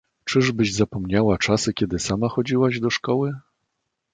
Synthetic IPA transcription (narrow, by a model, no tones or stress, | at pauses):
t͡ʂɘʐbɘʑzapɔmɲawat͡ʂasɘkʲɛd̪ɘsamaxɔd͡ʑiwaʑd̪ɔʂkɔwɘ